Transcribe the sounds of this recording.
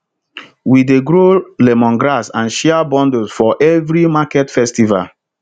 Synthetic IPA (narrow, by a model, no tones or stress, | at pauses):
wideɡɾolemɔ̃nɡɾasãnʃɛabɔ̃ndosfɔʔɛvɾimakɛtfɛstiva̰l